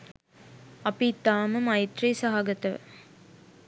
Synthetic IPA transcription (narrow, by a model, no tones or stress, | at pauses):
ɐpit̪ːaːməmɐjt̪rejsaɦaɡɐt̪əʋə̰